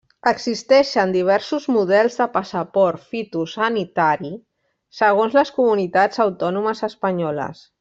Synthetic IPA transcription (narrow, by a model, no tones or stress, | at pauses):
əɡzist̪ɛʃənd̪iβ̞ɛɾsuzmuðɛlˠzðəpasapɔɾt̪fit̪usənit̪aɾi | səɣ̞onzləskumunit̪azawt̪ɔnuməzəspəɲɔlə̰s